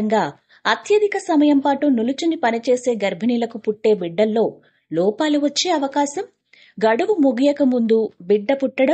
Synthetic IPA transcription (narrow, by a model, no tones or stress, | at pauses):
ŋɡaː | ɐt̪jɐd̪ʱikɐsɐmɐjɐmpaːʈunulut͡ʃunipɐnit͡ʃe̞ːse̞ːɡɐɾbʱinilɐkupuʈːe̞ːbiɖːɐlːo̞ː | lɔːpaːluʋɐt͡ʃːe̞ːɐʋɐkaːsɐm | ɡɐɽuʋumuɡijɐkɐmund̪ubiɖːɐpuʈːɐɽɐm